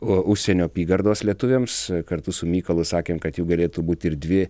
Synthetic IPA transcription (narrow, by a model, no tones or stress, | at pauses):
oʔʊʃʲsʲɛnʲoːpʲiːɡɐɾd̪oːslʲiɛt̪ʊʋʲeːmskɐɾt̪ʊsʊmʲiːkɐlˠʊsɑːkʲeːmkɐt̪juːɡɐlʲeːt̪uːbuːt̪ʲɪɾd̪ʲʋʲɪ